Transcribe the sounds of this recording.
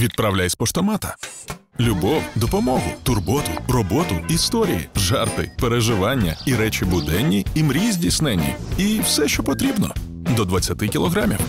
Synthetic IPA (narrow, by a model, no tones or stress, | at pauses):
ʋʲid̪̚pɾawlʲajsʲpɔʃt̪ɔmɑt̪ɐlʲʊbɔwd̪ɔpɔmɔɦʊt̪ʊrbɔt̪ʊrɔbɔt̪ʊist̪ɔɾʲijḭʒɑrt̪ɪ̰peɾeʒɪʋɑnʲːɐ̰iɾɛt͡ʃibʊd̪ɛnʲːiimɾʲizʲdʲisnɛnʲːḭiwsɛʃt͡ʃɔpɔt̪ɾʲibnɔ̰ | d̪ɔd̪ʋɐt͡sʲːɐt̪ɪkʲilˠɔɣɾamʲḭw